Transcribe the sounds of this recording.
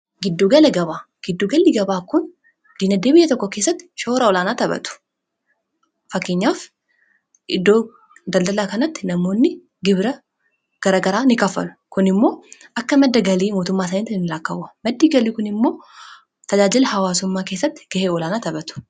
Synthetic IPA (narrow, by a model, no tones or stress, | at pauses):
ɡɪd̪ːuːɡɐlɐɡɐβaː | ɡ̥ɪd̪ːuːɡɐlːɪɡɐbaːkʊn | d̪̥iːnɐd̪eːbɪjːɐt̪ɔkːɔkeːsːɐt̪ːɪ̥ʃoːɾɐɔlaːnaːt̪ɐbɐ̰t̪ʊ̥ | fɐkːeːɲːaːf | ʔɪd̪ːo̞ː | d̪ɐld̪ɐlaːkɐnɐt̪ːɪnɐmo̞ːnːɪ | ɡɪbɾɐ | ɡ̥ɐɾaːɡɐɾaːnɪkɐfːɐ̰lʊ̥kʊnɪmːo̞ːʔɐkːɐmɐd̪ːɐɡɐliːmoːt̪ʊmːaːsɐniːt̪ɪɪnɪlaːkːɐwɐmɐd̪ːiːɡɐliːkʊnɪmːo̞ː | t̪ɐd͡ʒaːd͡ʒɪlɐhɐwaːsʊmːaːke̞ːsːɐt̪ːɪ̥ɡ̥ɐheːɔlaːnaːt̪ɐbɐt̪ʊ̥